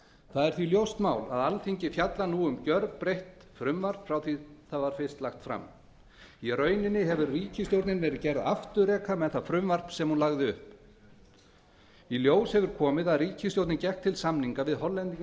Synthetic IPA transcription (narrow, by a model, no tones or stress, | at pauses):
θaðɛɾ̥θviljowst̪maːwla̰ðalθiɲcɪfjat̪lanuːʏmcœɾpɾejht̪fɾʏmvar̥pfɾawθiθaðvaɾ̥fɪst̪laxt̪fɾa̰m | irœːɥnɪnːɪɦɛvʏɾriːcʰɪst̪jowɾt̪nɪnvɛːɾɪðcɛɾðaft̪ʏɾɛːkʰamɛðθaðfɾʏmvar̥psɛmhunlaɣðɪʏhp | iljoːwshɛvʏɾ̥kʰɔːmɪðaðriːcʰɪst̪jowt̪nɪncɛht̪ʰːɪlsamniŋkavɪðhɔlːɛnt̪i